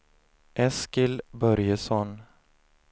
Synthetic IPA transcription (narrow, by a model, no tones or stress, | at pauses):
ʔɛskɪlbœɾjəsɔn